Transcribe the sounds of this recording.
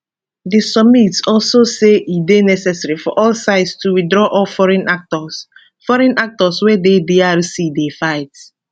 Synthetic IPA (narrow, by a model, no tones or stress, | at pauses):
disɔb̚mitsɔlsoseʔidenɛsɛsaɹifɔʔɔlsaɪdstuwidɹɔʔɔlfɔɹɛ̃nak̚tɔs | fɔɹɛ̃nak̚tɔswedediaɹisidefaɪt